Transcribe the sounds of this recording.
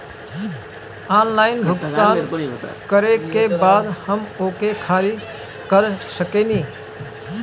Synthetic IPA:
aːnlaːɪnbʱʊɡt̪aːnkəɾekebaːd̪həmoːkekʰaːɾi | kəɾsəkeniː

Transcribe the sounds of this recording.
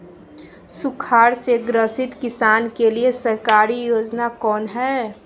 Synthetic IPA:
sʊkʰaːɾseɡɾəsɪt̪kɪsaːnkeliesəɾkaːɾijoːd͡ʒnakɔːnɦɛː

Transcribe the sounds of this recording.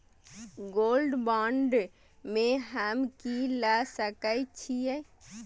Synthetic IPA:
ɡoːlɖbãːɳɖ | mẽɦəmkilasəkəjt͡ʃʰiɛ

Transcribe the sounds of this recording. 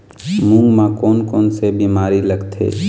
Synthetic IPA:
mũŋɡmãkoːnkoːnsebiːmaːɾiləɡt̪ʰḛː

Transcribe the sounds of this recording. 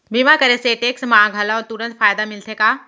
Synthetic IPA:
biːmãkɐɾeseʈeːksmaãɡʱɐlaɔːɾt̪ʊɾə̃nt̪faːjd̪amɪlt̪ʰekaː

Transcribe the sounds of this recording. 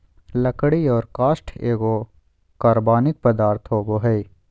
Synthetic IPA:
lɐkɽiɔːɾkaːsʈʰeːɡo | kɐɾbaːnɪk̚pɐd̪aːɾt̪ʰɦoːboɦɐi

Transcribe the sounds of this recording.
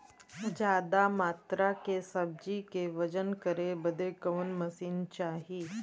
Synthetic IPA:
d͡ʒaːd̪amaːt̪ɾakesɐb̚d͡ʒikeʋɐd͡ʒənkəɾebɐd̪ekɐʋənmɐsiːnt͡ʃaːɦiː

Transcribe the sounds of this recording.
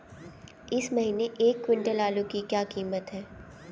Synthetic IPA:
ɪsmɐɦiːneʔeːkːwɪ̃ɳʈəlaːlõkikjaːkiːmət̪ɦɛː

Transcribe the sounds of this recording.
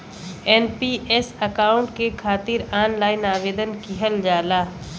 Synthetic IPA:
ɛːnpiʔesɐkaːʊ̃ɳʈkekʰaːt̪ɪɾaːnlaːɪnaːʋeːd̪ənkiɦəld͡ʒaːlaː

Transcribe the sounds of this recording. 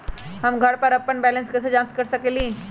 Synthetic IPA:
ɦəmɡʱəɽpəɾɐpəɳbælənskəsəd͡ʒãnskəɾsəkeliː

